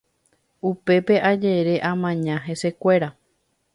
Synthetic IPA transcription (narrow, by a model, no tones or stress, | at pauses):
upe̞pe̞ʔad͡ʒe̞ɾe̞ʔãmãɲãɦe̞se̞kʷe̞ɾa